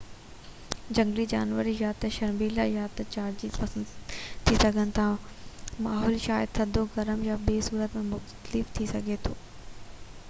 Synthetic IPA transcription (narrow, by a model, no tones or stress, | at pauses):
d͡ʑɐ̃ŋɡlid͡ʑa̰ːnʋəɾijaːt̪ɐʃɐɾmiːlajaːt̪ɐt͡ɕaːɾd͡ʑiːt̪pɐsə̃nd̪t̪ʰisɐɡʱənɪ̆t̪ʰa | maːɦɔːlʃaːjɪd̪sʰɐd̪ʱoɡɐɾəmjabeːsuːɾət̪mẽmʊxt̪əlɪft̪ʰisɐɡʱet̪ʰoː